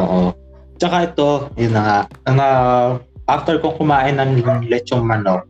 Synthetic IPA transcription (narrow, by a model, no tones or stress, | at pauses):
ʔoʔo | t͡ʃɐkaʔɛt̪o̞jʊnːɐŋaʔɐŋa | ʔaft̪ɛɹkoŋkʊmaːʔɪnːɐŋŋlɛt͡ʃoŋmɐnoʔ